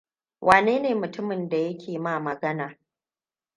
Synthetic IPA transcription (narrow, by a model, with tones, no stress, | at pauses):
wʔaː˨neː˦neː˨mʊ˨tʊ˦mɪ˨nda˨jɐ˦kʲʰeː˨maː˦˨mɐ˨ɡɐ˦naː˨